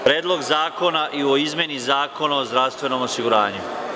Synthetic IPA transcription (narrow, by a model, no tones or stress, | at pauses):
pɾeːd̪lˠo̞ɡzaːko̞naʔio̞izme̞nizaːko̞naozd̪ɾaʋst̪vʋe̞no̞mosiɡuɾaːɲu